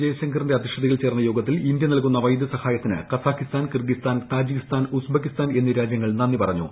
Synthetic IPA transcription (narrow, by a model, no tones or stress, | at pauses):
d͡ʑejɐɕɐŋɡɐrinde̞ɐd̪iʂɐd̪ɐɣɐlt͡ɕe̞ːrnːɐjo̞ːɡɐt̪ːilind̪jɐniɐlkunːɐʋɐjd̪ʱɐsɐhaːjɐt̪ːinɨ̰kɐsaːkːist̪aːnkirɡist̪aːnt̪aːd͡ʑikist̪aːnusbɐkːist̪aːne̞nːiɾaːd͡ʑjɐŋːɐɭnɐnːipɐrɐɲːṵ